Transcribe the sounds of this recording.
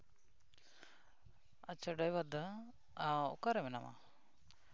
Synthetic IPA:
at͡ʃəɖajwad̪a | aɔ̰kaɾɛmɛnama̰

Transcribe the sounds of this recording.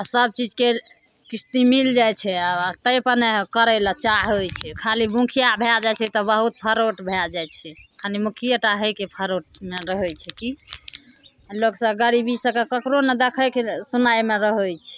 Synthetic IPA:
asəb̚t͡ʃid͡ʒke | kist̪imild͡ʒajt͡ʃʰɛat̪əjpəɾnɛkəɾələt͡ʃaɦɦojt͡ʃʰɛkʰalibũkʰijabʱed͡ʒajt͡ʃʰɛt̪ɔbəɦut̪̚pʰəɾoʈbʱed͡ʒajt͡ʃʰɛkʰalimukʰijəʈaɦəjkepʰəɾoʈ̚meɾəɦəjt͡ʃʰɛki | loksəɡəɾibisə̃kekəkɾonəd̪ekʰəkesunajmeɾəɦojt͡ʃʰɛ̥

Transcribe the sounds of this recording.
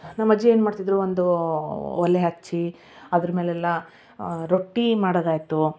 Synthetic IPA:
nɐmːɐd͡ʒːie̞ːnmaːɖt̪id̪ɾuʋond̪u | ɔleɦɐt͡ʃːi | ɐd̪ɾɐme̞ːlɛlːɐ | ɾoʈːimaːɽoɡ̪aːjt̪u

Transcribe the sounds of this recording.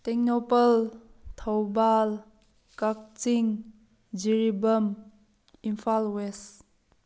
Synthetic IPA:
t̪eŋnɔpəlt̪ʰawbal | kak̚t͡ʃiŋ | d͡ʒiɾibəm | impʰalwes

